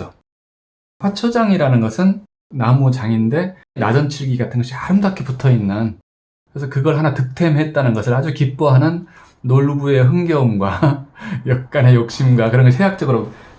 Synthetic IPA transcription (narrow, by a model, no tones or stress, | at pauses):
o | ɸʰat͡ɕʰʌd͡ʑaŋiɾanɯnɡʌsʰɯnː | amut͡ɕaŋinde̞ | na̰d͡ʑʌnt͡ɕʰiɭɡiɡatʰɯnɡʌɕʰiaɾɯmdakʰeputʰʌinːɯn | kɯɾesʰʌkɯɡʌɭɦanatɯk̚tʰe̞mɦe̞t̚t͈anɯnɡʌsʰɯɭɦad͡ʑukip͈oɦanɯnː | oɭbue̞ɦɯŋɡʌmɡwa | jʌk̚k͈anɦe̞jok̚ɕ͈imɡwakɯɾʌnŋɡʌɕɦeɦak̚t͡ɕ͈ʌɡɯɾo